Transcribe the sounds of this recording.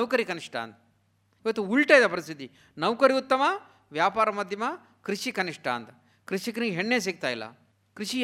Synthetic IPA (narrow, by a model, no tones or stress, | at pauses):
ɐʋkɐɾikɐniʂʈʰa̰ːnt̪̚ | iʋɐt̪ːuuɭʈɐːjid̪ɐpɐɾist̪ʰit̪i | nɐʋkɐɾiut̪ːɐmɐ | ʋjaːpaːɾɐmɐd̪ʱjɐmɐ | kɾiʃikɐniʂʈʰa̰ːnt̪ | kɾiʃikɐnɦeɳːeːs̬iːk̚t̪aːjlːa̰ː | kɾiʃi